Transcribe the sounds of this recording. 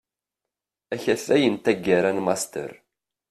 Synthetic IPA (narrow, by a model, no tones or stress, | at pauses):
æçæθæjənt̪æɡːaɾænmɑst̪ə̰ɾ